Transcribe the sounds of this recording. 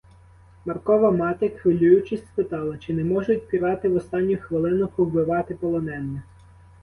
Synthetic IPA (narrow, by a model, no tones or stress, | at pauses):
mɐrkɔʋɐmɑt̪ɪxʋɪlʲujʊt͡ʃɪsʲspɪt̪ɑlˠɐt͡ʃɪnɛmɔʒʊtʲpʲiɾɑt̪ɪʋɔst̪ɑnʲːʊxʋɪlˠɪnɔxʊblɪʋɑt̪ɪpɔlˠɔnɛnːɪ